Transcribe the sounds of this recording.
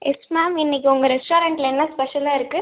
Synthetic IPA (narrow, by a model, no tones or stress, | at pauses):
ɛsmaːmɪnːɪk̬ʲːiʊŋɡɐɾɛsʈoːɾɐɳʈɪlɛnːɐspɛʂɐlaːɪɾɯkːɯ